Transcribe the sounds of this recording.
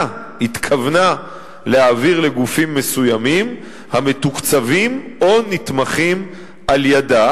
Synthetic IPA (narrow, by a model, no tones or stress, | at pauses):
hit̪kʰavna | leaːviʁle̞ɡufimːe̞sujamim | hame̞t̪ukt͡savimo̞nit̪maχim | ʔaljada